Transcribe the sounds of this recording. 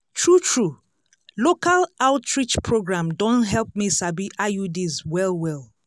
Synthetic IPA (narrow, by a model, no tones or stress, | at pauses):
tʰɹutʰɹu | lokalaʊtɹit͡ʃpʰɹoɡɹãmdɔ̃ntɦɛlp̚misabiʔajudizwɛlwɛl